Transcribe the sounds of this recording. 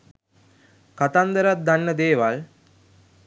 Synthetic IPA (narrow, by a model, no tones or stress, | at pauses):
kat̪and̪əɾat̪̚d̪anːəd̪eːʋal